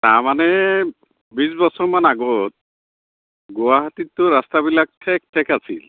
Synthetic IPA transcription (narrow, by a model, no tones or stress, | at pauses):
taɹmanɛ | bisbɔsɔɹmanaɡɔt̚ | ɡʊwaɦatitːʊɹastabilak̚tʰɛk̚tʰɛkasḭl